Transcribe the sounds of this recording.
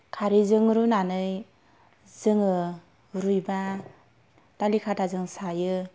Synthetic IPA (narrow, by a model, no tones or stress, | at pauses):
kʰaɾizɯŋɾunanɯj | zɯŋɯ | ɾujba | talikʰatʰazɯŋsajɯ